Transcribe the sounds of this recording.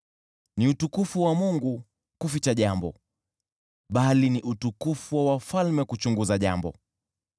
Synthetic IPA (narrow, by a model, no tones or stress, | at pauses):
niutukufuwamuŋɡu | kufit͡ʃaʄambɔ̰ | ɓaliniʔutukufuwawafalmɛkut͡ʃuŋɡuzaʄa̰mbɔ̰